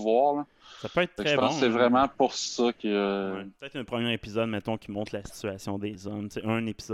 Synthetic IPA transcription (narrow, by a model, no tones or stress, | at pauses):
vwɑːʁlə | sapøɛːt̪̚ːtɛʁʒɛpɑ̃ssɛvʁɛmɑ̃puʁssʌkʰʲəwɛpət̪ɛt̪ɛ̃pχəmjɛːʁepizɔd̪̚mɛt̪ɔ̃kʲʰimɔ̃t̪ʰlasi̥tt͡syasjɔ̃d̪ezɔmt̪seʔɛ̃nepiz